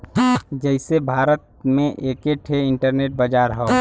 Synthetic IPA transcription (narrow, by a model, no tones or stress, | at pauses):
d͡ʒɛɪsebʱaːɾət̪̚mẽʔeːkeʈʰeɪɳʈəɾneʈ̚bəd͡ʒaːɾɦɛ